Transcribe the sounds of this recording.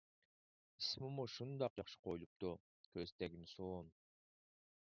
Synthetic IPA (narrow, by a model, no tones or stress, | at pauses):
ismumuʃund̪ɑq̚d͡ʒɑχʃɯ̥qʰojlˠup̚t̪u | kʰøzt̪eɡimsoːn